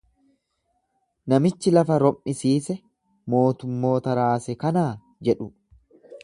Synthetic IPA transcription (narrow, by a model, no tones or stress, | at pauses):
nɐmɪt͡ʃːɪlɐfɐɾɔmʔɪsiːsɛ | mo̞ːt̪ʊmːo̞ːt̪ɐɾaːsɛkɐnaː | d͡ʒɛᶑʊ